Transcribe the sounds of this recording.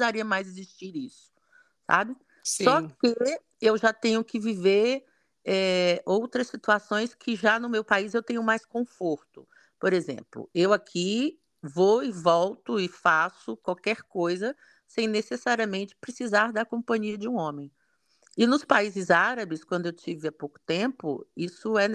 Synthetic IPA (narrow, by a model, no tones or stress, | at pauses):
sizaɾiɐmajzeziʃt͡ʃiɾisʊ̥ | sa̰bɪ | ssɔkɪ | ewʒat̪ẽɲʊkɪviveɾ | ɛowt̪ɾɐsːit̪uasõj̃skʰɪʒanʊmewpaizewt̪ẽɲʊmajskõfoɾt̪ʊ̥ | poɾezḛ̃mplʊ̰ewakʰi | voɪvɔwt̪ʊɪfasʊkwawkɛɾkojzɐ | sẽj̃nesesaɾiɐmẽnt͡ʃɪ̥pɾesizaɾd̪ɐkõmpɐ̃ɲiɐd͡ʒɪũõmẽj̃ | ɪnʊspaizɪzaɾɐbɪskwɐ̃nd̪ʊewt͡ʃivɪapowkʊ̥t̪ẽpʊ̰isʊɛ